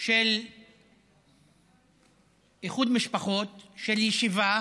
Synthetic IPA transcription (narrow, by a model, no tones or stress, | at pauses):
ʃel | jiχud̪miʃpaχo̞t̪ʃeljeʃiva